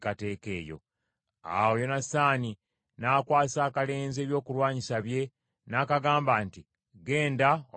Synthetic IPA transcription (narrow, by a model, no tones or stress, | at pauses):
kate̞ːke̞ːjo̞̰ | a̰wojo̞nasaːni | nakwaːsaːkale̞ːnze̞ːβjo̞ːkulwaːɲisaβje̞ | naːkaɡaːmbaːnti | ɡe̞ːndao